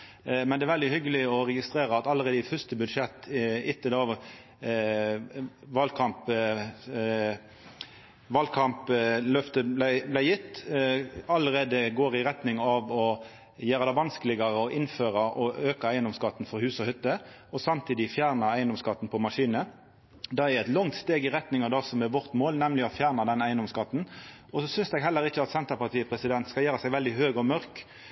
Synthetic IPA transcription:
mɛnd̪ɛæɾʋɛld̪ɪhʏɡːəlɪɔɾɛɡɪst̪ɾeːɾəɑt̪ɑlːəɾeːd̪əɪfœst̪əbʉd̪ʂɛt̪ːɪt̪ʰːəd̪ɛoːʋəɾ | ʋɑlkʰɑmp | ʋɑlkʰɑmplœft̪əblæɪblæɪjɪt̪ː | ɑlːəɾeːd̪əɡoːɾɪɾɛt̪nɪŋɑʋɔ | jæːɾəɑd̪æʋɑnskəlɪɡəɾəɔʔɪnføːɾɑʔɔøːkɑæɪənd̪ɔmskɑt̪ːn̩fɔɾhʉːsɔhʏt̪ːə | ɔsɑmt̪ʰiːd̪ɪfjæːʁnɑæɪənd̪ɔmskɑt̪ːn̩pʰɔmɑʂiːnə | d̪ɑɛɛt̪lɔŋt̪st̪eːɡɪɾɛt̪nɪŋɑd̪ɑsɔmɛʋɔʁt̪moːlnɛmlɪɔfjæːʁnɑd̪ɛnæɪənd̪ɔmskɑt̪ːn̩ | ɔsɔsʏnsd̪ɛɡɦɛlːəɾɪçːəɑt̪sɛnt̪əʁpɑʁt̪ʰiːəpʰɾɛsɪd̪ɛnt̪skɑjæːɾəsæɪʋɛld̪ɪɦøːɡɔmœɾk

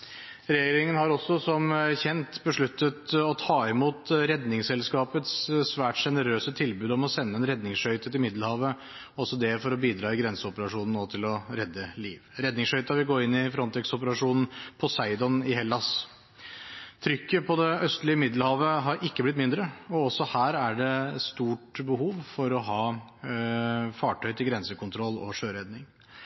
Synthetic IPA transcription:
ɾeeɾɪŋənhɑɾɔsːɔsɔmçɛnt̪bəʂɭʉt̪ːət̪ɔt̪ʰɑːɪmuːt̪ɾɛd̪nɪŋsɛlskɑːpət̪ssʋæːʈʂɛnəɾøːsət̪ʰɪlbʉːd̪ɔmɔsɛnːəɛnɾɛd̪nɪŋsʂœʏt̪ət̪ɪlmɪd̪lhɑːʋə | ɔsɔd̪ɛfɔɾɔbiːd̪ɾɑːɪɡɾɛnsəɔpəɾɑʂuːnn̩oːt̪ʰɪlɔɾɛd̪ːəliːʋɾɛd̪nɪŋsʂhœʏt̪ɑʋɪɡoːɪnːɪfɾɔnt̪ʰɛksɔp̬əɾɑʂuːnn̩pʰɔsæɪd̪ɔnɪhɛlːɑs | t̪ʰɾʏkːəpʰɔd̪ɛœst̪lɪəmɪd̪ləhɑːʋəɦɑɾɪkːəblɪt̪̬mɪnd̪ɾəɔɔsɔhæːɾæɖɛst̪uːʈbəɦuːʋfɔɾɔɦɑː | fɑːʈʰœʏt̪ʰɪlɡɾɛnsəkʰʊnt̪ʰɾɔlːɔʂøːɾɛd̪nɪŋ

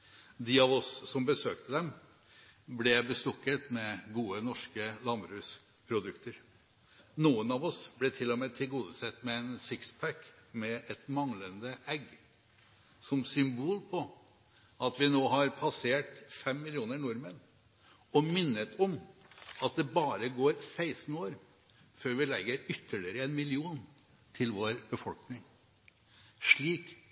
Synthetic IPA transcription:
d̪ɪɑʋɔsːɔmbəsøːk̚t̪əd̪ɛm | blɛbəst̪ɔkːət̪mɛɡuːənɔʂkəlɑmbɾʉːs | pʰɾʊd̪ʉkt̪əɾ | nuːənɑʋɔsblɛt̪ʰɪlːɔmɛːt̪ʰɪlɡuːd̪əsɛt̪ːmɛɛnsɪkspʰækmɛɛt̪mɑŋlənd̪əʔɛɡ | sɔmsʏmbuːlpʰɔ | ɑt̪ʋɪnoːɦɑɾpʰɑseːʈfɛmːɪlɪuːnəɾnʊɾmɛnː | ɔmɪnːət̪ɔmɑt̪̚d̪ɛbɑːɾəɡoːɾsæɪsn̩oːɾ | føːɾʋɪlɛɡːəɾʏt̪ʰːəɭɪɾəɛnmɪlɪuːn | t̪ʰɪlʋoːɾb̥əfɔlknɪŋ | ʂɭiːk

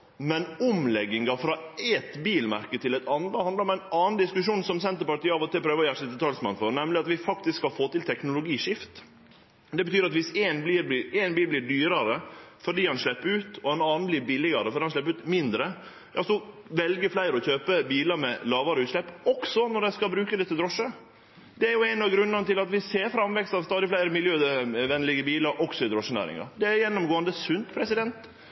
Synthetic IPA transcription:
mɛnʊmlɛɡɪŋɡɑfɾɑː | ɛt̪biːlmæ̰ɾkət̪ʰɪlæɪt̪ʰɑnd̪əhɑnd̪əɾɔmæɪnɑːnd̪ɪskʉʂuːnsɔmsɛnt̪əɾpɑʈiːɑːʋɔt̪ɪlpʰɾøːʋəɔjæɾʂɛt̪d̪ət̪ʰɑlsmɑ̰nfɔɾnɛmlɪɑt̪ʋɪfɑkt̪ɪskhɑfoːt̪ɪlt̪ʰɛknʊlʊɡiːʂɪft̪ | d̪ɛbət̪ʰyːɾɑt̪ʋɪseːnbliːɾblɪɛːnbiːlblɪːɾɖyːɾɑɾəfɔɖiːhɑnʂɭɛpːɾʉːt̪ɔɛnɑːn̩blɪɾbɪlɪɡɑɾəfɔɾɖiːhɑnʃɭɛpːɾʉːt̪mɪnd̪ɾə | jɑsɔʋɛlɡəflæɪɾəɔçøːpəbiːlɑɾmɛlɑːʋɑɾəʉːt̪ʂɭɛpːɔksɔnɔɖ̪ɛskɑbɾʉːkəd̪ɛt̪ʰɪld̪ɾɔʂːə | d̪̥ɛæɾjʊæɪnɑɡɾʉnːənət̪ɪlɑt̪ʋɪseːɾfɾɑmʋɛkst̪ɑʋst̪ɑːd̪ɪflæɪɾəmɪljøːʋɛnlɪɡəbiːlɑɾʔɔksɔɪd̪ɾɔʂːənæ̰ːɾɪ̰ŋɑ̰ɾd̪ɛæɾjɛnːɔmɡoːənd̪əsʉnt̪pʰɾɛsɪd̪ɛnt̪

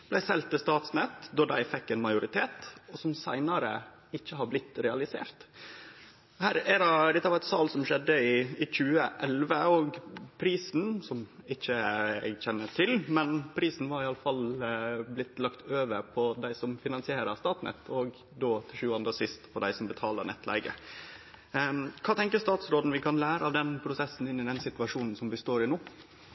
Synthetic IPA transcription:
b̥læɪsɛlt̪ːəst̪ɑːt̪snɛt̪d̪ɔɾd̪æɪfɛkːɛːnmɑɪʊɾɪt̪ʰeːt̪ɔsɔmsæɪnɑɾə | ɪçːəhɑɾblɪt̪ːɾɛɑlɪsḛːɾt̪ | hæːɾɛdɛd̪ɛt̪ːəʋɑɾɛt̪sɑːlsɔmʃɛd̪ːəɪɪc͡çʉːəʔɛlʋəɔɡpʰɾiːsn̩sɔmɪçːəɛ̰ɡçɛnːəʈ̪ʰɪlmɛnpʰɾiːsn̩ʋɑɾɪɑləfɑlblɪt̪ːlɑkt̪ʰøːʋəɾpʰɔd̪æɪsɔmfɪnɑnsɪeːɾəɾst̪ɑːt̪nɛ̰t̪ʰːɔɡ | d̪oːt̪ʰɪlʃʉːɑnd̪ɾəsɪst̪pʰɔd̪æ̰ɪsɔmbət̪ʰɑːlə̰ɾnʔɛ̰t̪ːlæ̰ɪɡə̰ | kʰɑːt̪ʰɛŋkəɾst̪ɑːt̪sɾoːd̪n̩ʋɪkʰɑnlæːɾəɑʋd̪ɛnpʰɾʊsɛsːn̩ɪnːɪd̪ɛnsɪt̪ʉɑʂuːnn̩sɔmʋɪst̪oːɾɪnuː

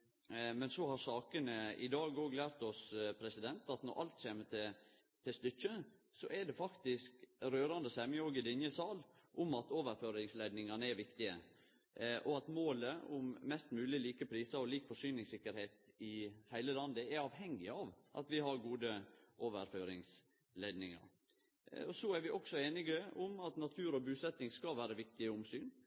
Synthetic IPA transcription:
mɛnsɔhɑɾsɑːkənəɪd̪ɑːɡoːɡlæːɾt̪ɔspʰɾɛsɪd̪ɛnt̪ɑt̪nɔ̰ɾʔɑ̰lt̪ɕeːmət̪ʰɛ | t̪ʰɪst̪ʏt͡ʃːəsɔʔɛɖɛfɑkt̪ɪskɾøːɾɑnd̪əsɛməoɡɪd̪ɪnjəsɑːlʔʊmɑt̪oːʋəɾføːɾɪŋslæɪd̪nɪŋɑnəɛɾʋɪkt̪ɪə̰ | ʔɔɑt̪moːləʊmːɛst̪mʉːlɪliːkəpʰɾiːsɑɔliːkfɔʂyːnɪŋsɪkːəɾheːt̪ɪhæɪləlɑnd̪əɛɾɑːʋɦɛŋːɪɑːʋʔɑ̰t̪ʋɪhɑɾɡuːd̪əʔoːʋə̰ɾføːɾɪŋs | leːd̪nɪŋɑ̰ɾ | ɔsɔæɾʋɪʔɔksɔeːnɪɡəʊmɑt̪nɑt̪ʰʉːɾɔbʉːsɛt̪ːɪŋskɑʋæːɾəʋɪkt̪ɪəʊmsyːn

